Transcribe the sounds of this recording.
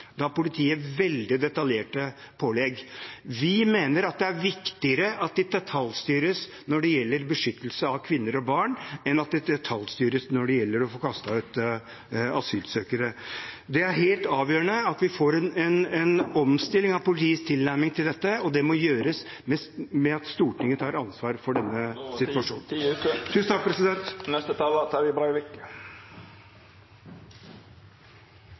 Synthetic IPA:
d̪ɑpʊlɪt̪ʰiːəʋɛld̪ɪd̪ɛt̪ɑljeːʈə | pʰoːlɛɡʋɪmeːnəɾɑt̪̚d̪ɛæɾʋɪkt̪ɪəɾəʔɑt̪̚d̪ɪd̪ɛt̪ʰɑlst̪yːɾəs | nɔɖɛjɛlːəɾbəʂʏt̪ːəlsəɑʋkʰʋɪnːəɾɔbɑɳɛnɑt̪̚d̪ɛd̪ɛt̪ʰɑlst̪yːɾəsnɔɖɛjɛlːəɾɔfoːkʰɑst̪ɑʉːt̪ | ɑsyːlt̪søːkəɾəd̪ɛæɾɦeːlt̪ɑːʋjøːɾəɳəɑt̪ʋɪfoːɾɛnɛnɛnɔmst̪ɪlːɪŋɑʋpʊlɪt̪ʰiːst̪ʰɪlnæɾmɪŋt̪ʰɪld̪ɛt̪ːəɔd̪ɛmɔjøːɾəs | mɛmɛɑt̪st̪uːʈɪŋːəət̪ʰɑːɾɑnsʋɑːɾfɔɖɛnːəsɪt̪ʋɑʂuːnt̪ʰʉːsnt̪ʰɑk̚pʰɾɛsɪd̪ɛnt̪nɛst̪ət̪ʰɑlət̪ʰæɾʋɪbɾɑɪʋɪk

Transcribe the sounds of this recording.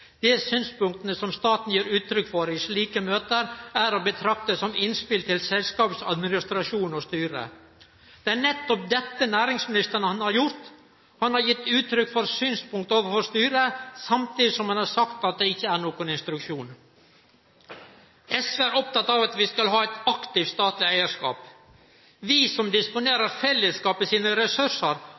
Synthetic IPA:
d̪̥ɛsyːnspʊŋk̚t̪ənəsɔmst̪ɑːt̪n̩jiːɾʉːt̪ʰɾʏkːfɔɾɪʂɭiːkəmøːt̪əɾæɾobət̪ʰɾɑk̚t̪əsɔmɪnspɪlt̪ʰɪlsɛlskɑːpsɑ̰d̪mɪnɪst̪ɾɑʂuːnɔst̪yːɾə̰ | d̪̥ɛæɳɛt̪ːɔp̚d̪ɛt̪ːənæːɾɪŋsmɪnɪst̪əɳəhɑnhɑɾjʊɾt̪ | hɑnhɑɾjɪt̪ːʉːt̪ʰɾʏkːfɔɾsyːnspʊŋkt̪oːʋəɾfɔʂst̪yːɾəsɑmt̪iːd̪ɪsɔmhɑnhɑɾsɑkt̪ɑt̪̚d̪ɛɪçːəæɳoːkʊnɪnst̪ɾʉkʂuːn | ɛsʋeæɾɔp̚t̪ɑt̪ːɑʋɑt̪ʋɪskɑlɦɑːɛt̪ɑkt̪ɪft̪st̪ɑːt̪lɪæɪəʂkɑ̰ːp | ʋɪsɔmd̪ɪspʊneːɾəɾfɛlːəskɑːpəsiːnəɾɛsʉʂəɾ

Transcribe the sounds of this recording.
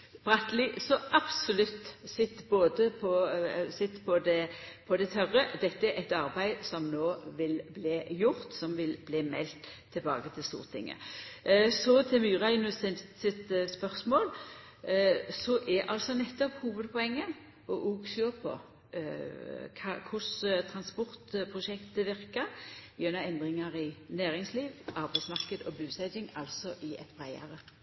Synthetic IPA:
b̥ʁɑt̪lɪsɔʔɑb̥sɔlʉt̪ːsɪt̪ːboːd̪əpʰɔsɪt̪ːpʰɔd̪ɛpʰɔd̪ɛt̪ʰœʁəd̪ɛt̪ːəɛɾʔɛt̪ɑʁbæɪsɔmnoːʋɪlbliːjʊʁt̪sɔmʋɪlbliːmɛ̰lt̪ʰːɪlbɑ̰ːɡət̪ʰɪlst̪ṵːʁət̪ʰɪ̰ŋːə̰ | sɔt̪ʰɛmyːʁæɪnʉsɪsɪt̪spœʁsmoːl | sɔʔɛʔɑlsɔnɛt̪ːɔphuːʋəd̪pʰɔɛŋːə | ɔʔuːksɔpʰɔ̰ | kʰɑkʰʊst̪ʰʁɑnspɔʁt̪pʰʁʊʃɛkt̪əʋɪʁkɑɾønɑɛnd̪ʁɪŋɑʁɪnæːɾɪŋsliːʋʔɑɾbæɪt̪smɑʁkəd̪ɔbʉːsæɪdɪŋɑlsɔʔɪɛ̰t̪bʁæɪɑ̰ʁə

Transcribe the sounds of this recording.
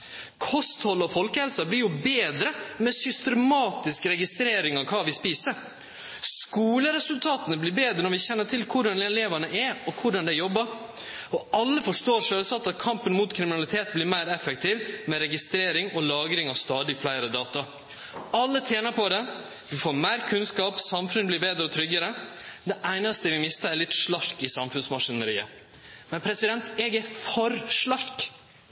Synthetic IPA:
kʰɔst̪hɔlːɔfɔlkəhɛlsɑblɪɾjʊbeːd̪ɾəmɛsʏst̪ɛmɑːt̪ɪskəɾɛɡɪst̪ɾeːɾɪŋɑʋkʰɑːʋɪspiːsəɾ | skuːləɾɛsʉlt̪ʰɑːt̪ənəblɪɾbeːd̪ɾənɔɾʋɪçɛnːəʈʰɪlkʰʊɖɑnɛleːʋɑnəʔɛɔkʰʊɖɑnd̪ɛjɔbːəɾ | ɔɑlːəfɔʂʈoːɾʂøːlsɑt̪ːɑt̪̚kʰɑmpənmʊt̪kʰɾɪmɪnɑlɪt̪ʰeːt̪blɪɾmæɪɾɛfːək̚t̪ʰɪʋmɛɾɛɡɪst̪ɾeːɾɪŋɔlɑːɡɾɪŋɑʋst̪ɑːd̪ɪflæɪɾəd̪ɑːt̪ɑ | ɑlːət̪ʰjeːnəpʰɔd̪ɛ | d̪ʉfoːɾmæɪɾkʰʉnskɑːpsɑmfʉnəblɪɾbeːd̪ɾəɔt̪ʰɾʏɡəɾəd̪ɛʔæɪnɑst̪əʋɪmɪst̪əɾɛɾlɪt̪ʂlɑɾkɪsɑmfʉnsmɑʂɪnəɾiːə̰ | mɛnpʰɾɛsɪd̪ɛnt̪ɛːɡɛfɔɾʂlɑɾk

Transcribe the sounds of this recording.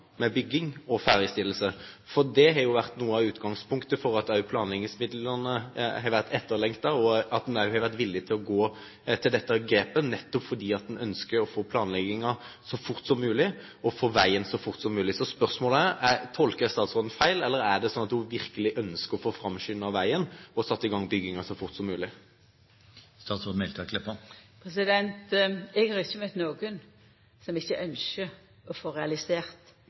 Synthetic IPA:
mɛbʏɡːɪŋɔfæːɾəst̪ɪlːəsəfɔʁd̪ɛɦɑɾjʊʋæʁt̪nuːəɑʉːt̪ɡɑŋspʰʊŋkt̪əfɔɾɑt̪ɑʉpʰlɑːnlɛɡɪŋsmɪd̪lənəhɑʋæʁt̪ʰɛt̪ːəɾlɛŋkt̪ɑɔɑt̪̚nɑʉhɑɾʋæʁt̪ʋɪlːɪt̪ʰɪlɔɡoː | t̪ʰɪld̪ɛt̪ːəɡɾeːpənɛt̪ːɔpfɔd̪iːɑt̪̚d̪ɛnœnskəɾɔfoːpʰlɑːnlɛɡɪŋɑsɔfʊʁt̪sɔmːʉːlɪ | ɔfoːʋæɪənsɔfʊʁt̪sɔmːʉːlɪsɔspœʁsmoːləæɾæt̪ʰɔlkəɾst̪ɑːt̪sʁoːd̪n̩fæɪlɛlːəɾæd̪ɛsɔnɑt̪d̪ʊʋɪɾkəlɪʔœnskəɾɔfoːfɾɑmʃʏnɑʋæɪənɔsɑt̪ːɪɡɑŋbʏɡːɪŋɑsɔfʊɾt̪sɔmːʉːlɪ | st̪ɑːt̪sʁɔːd̪mɛlt̪ʰɑkʰlɪpːəpʰɾɛsɪd̪ɛnt̪ɛɡhɑɾɪçəmœt̪noːɡən | sɔmɪçːəʔœnʃə | ɔfoːɾɛɑlɪseːɾt̪

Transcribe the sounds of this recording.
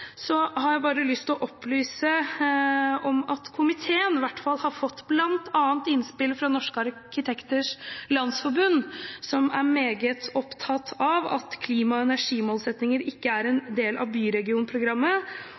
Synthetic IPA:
sɔhɑɾjæɪbɑːɾəlʏst̪lɔʔɔplyːsə | ɔmɑt̪kʰʊmɪt̪ʰeːənʋæʈːfɑlhɑɾfɔt̪ːblɑnt̪ʰɑːənt̪ɪnspɪlfɾɑnɔʂkəɑɾkɪt̪ʰɛkt̪əʂlɑnsfɔɾbʉnːsɔmæ̰ɾmeːɡət̪ɔpt̪ʰɑt̪ʰːɑʋɑ̰t̪kʰliːmɑɛnæʂiːmoːlsɛt̪nɪŋəɾɪkːəæɾɛnd̪eːlʔɑ̰ʋbyːɾɛɡɪuːnpʰɾʊɡɾɑmːə

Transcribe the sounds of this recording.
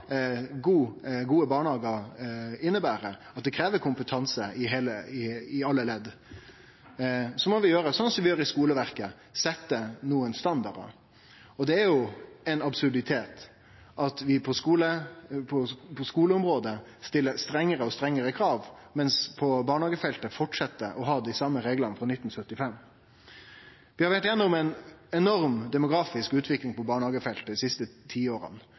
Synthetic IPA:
ɡuːɡuːəbɑːɳɑːɡəɾɪnːəbæːɾəɑt̪̚d̪ɛkʰɾeːʋəkʰʊmpət̪ʰɑnsəɪɦeːləɪɪɑlːəlɛd̪ | sɔmɔʋɪjøːɾəsɔnsɔmʋɪjøːɾɪskuːləʋæɾkə | sɛt̪ːənuːənst̪ɑnd̪ɑɾə̰ | ɔd̪ɛæɾjʊɛɪnɑbsʉɾɖ̪ɪt̪ʰeːt̪ | ʔɑt̪ʋɪpʰɔskuːləpʰɔpʰɔskuːləʊmɾoːd̪ə | st̪ɪlːəst̪ɾɛŋːəɾəɔst̪ɾɛŋːəɾəkʰɾɑːʋmɛnspʰɔbɑːɳhɑːɡəfɛlt̪əfɔʈʂɑt̪ːəʔɔɦɑːd̪ɪsɑmːəɾeːɡlənəfɾɔnɪt̪ːn̩sœt̪ːɪfɛmː | ʋɪhɑɾʋæʈjɛnːʊmɛɪnɛnɔɾmd̪ɛmʊɡɾɑːfɪskʉːt̪ʰʋɪklɪŋpɔbɑːɳhɑːɡəfɛlt̪əd̪ɪsɪst̪ət̪ʰiːoːɾə̰n

